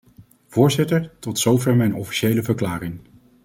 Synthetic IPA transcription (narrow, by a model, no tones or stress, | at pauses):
v̥ʊːɹzɪtəɹtɔtsowvɛɹmɛjnɔfi̥ʃejləvəɹklaːɾɪŋ